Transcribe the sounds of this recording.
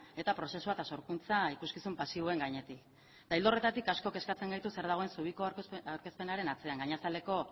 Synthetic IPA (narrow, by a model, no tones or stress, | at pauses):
e̞t̪apɾo̞se̞suat̪aso̞ɾkunt͡saikuskisumpasiβoe̞ŋɡaɲe̞t̪ik | t̪aild̪o̞re̞t̪at̪ikasko̞ke̞skat͡se̞ŋɡajt̪use̞ɾð̞aɣ̞o̞e̞nsuβ̞iko̞aɾke̞spe̞naɾe̞nat͡se̞aŋɡaɲasale̞ko̞